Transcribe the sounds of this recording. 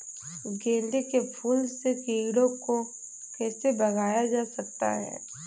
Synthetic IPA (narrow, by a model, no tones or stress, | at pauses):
ɡẽːnd̪ekepʰuːlsekiːɡɽõko | kɛːsebɐɡʱaːjad͡ʒaːsɐk̚t̪a̰ɦɛ̰ː